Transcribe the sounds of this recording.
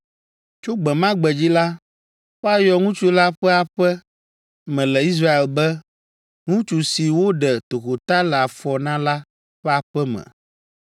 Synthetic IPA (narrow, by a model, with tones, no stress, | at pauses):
t͡ʃo˦ɡ͡bɛ˨mã˦ɡ͡bɛ˨d͡ʑi˦la˦ | wo˦a˨jɔ˨ŋũ˦t͡ʃu˦la˦ɸɛ˦a˨ɸɛ˦ | mɛ̃˨lɛ˨i˦s̬ɾa˦e˨lbɛ˦ | ŋũ˦t͡ʃu˨si˨wo˦ɖɛ˨t̪o˨xo˨t̪a˦lɛ˨a˨fɔ˨nã˦la˦ | ɸɛ˦a˨ɸɛ˦mɛ̰̃˨